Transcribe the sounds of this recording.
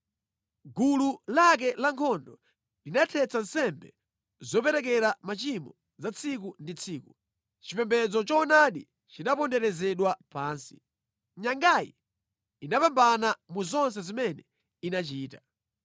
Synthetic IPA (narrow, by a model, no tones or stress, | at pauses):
ɡululak̬ɛlaŋkʰɔndɔ | linatʰɛt͡san̩sɛmbɛ̰ | zɔp̬ɛɾɛk̬ɛɾamat͡ʃimɔ | zat͡sʰik̬undit͡sʰiːku | t͡ʃipɛmbɛd͡zɔt͡ʃɔːnaɗḭ | t͡ʃinapɔndɛɾɛzɛɗwapaːnsi̥̰ | ɲaŋɡajḭ | inapambanamuzɔns̬ɛzimɛnɛ | inat͡ʃiːta